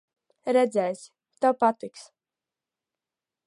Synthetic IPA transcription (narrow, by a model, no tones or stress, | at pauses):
ɾɛd̪zɛːs | t̪awpat̪iks